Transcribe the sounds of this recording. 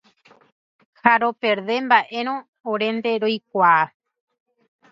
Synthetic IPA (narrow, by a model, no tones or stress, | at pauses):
haɾo̞pe̞ɾðe̞mbaʔe̞ɾ̃õː | ɾe̞nd̪e̞ɾojk̚ʷaː